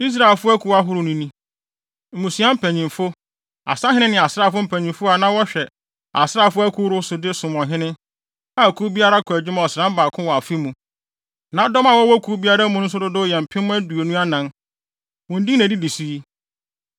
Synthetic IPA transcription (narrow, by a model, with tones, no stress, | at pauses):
i˦s̬ɾa˨e˨lfʊ˦æ˦kʰu˨wa˦ɦʊ˦ɾʊ˨nũ˦nĩ˦ | m̩˨ũ˨si˨˦a˦m̩˦pʰæ̃˨ɲĩ˨mfʊ˦ | a̰˨sa˦ɦɪ̃˦nɪ̃˦nɪ̃˨a˨sɾa˦˨fʊ˦m̩˦pʰæ̃˨ɲĩ˨mfʊ˦a˨nã˦wɔ˦ɕᶣɛ˨ | a̰˨sɾa˦˨fʊ˦æ˦kʰu˦ɾʊ˦sʊ˨dɪ˦sʊ̃˨m˨ɔ̃˨ɦɪ̃˦nɪ̃˦ | a˦˨kʰu˦bi˦a˦ɾa˦kʰʊ˨æ˨d͡ʑᶣɪ˦mã˦ɔ˨sɾã˦m˦baː˨kʰʊ̃˦wɔ˨a˨fi˦mũ˨ | nã˨˦dɔ˦ma˨wɔ˦wɔ˦kʰu˨˦bi˦a˦ɾa˦mũ˦nʊ̃˦s̬ʊ˦dʊ˦dʊ˦jɛ˨m̩˨pʰɪ̃˦m̃˦æ˦du˨o˨nũ˦a˦nã˨n | wɔ̃˨n̩˦dĩ˦næ̃˨di˦di˨si˦i˦